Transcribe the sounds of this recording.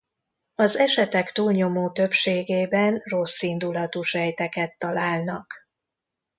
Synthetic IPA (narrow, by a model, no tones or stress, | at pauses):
ɒzɛʃɛt̪ɛkt̪uːlɲo̞moːt̪ø̞pʃeːɡeːbɛnro̞sːind̪ulɒt̪uʃɛjt̪ɛkɛt̪ːɒlaːlnɒk